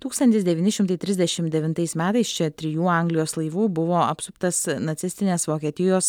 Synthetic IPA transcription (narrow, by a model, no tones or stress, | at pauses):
t̪uːkst̪ɐnʲt̪ʲɪsd̪ʲɛʋʲiːnʲɪʃʲɪmt̪ɐɪt̪ʲɾʲɪzʲd̪ʲɛʃʲɪmd̪ʲɛʋʲɪnt̪ɐɪsmʲæːt̪ɐɪst͡ʃʲɛt̪ʲɾʲɪjuːɐˑŋɡlʲɪjoːslˠɐɪʋuːbʊʋoːɐpsʊpt̪ɐsnɐt̪sʲɪsʲt̪ʲɪnʲeːsʋoːkʲiɛːt̪ʲɪjoːs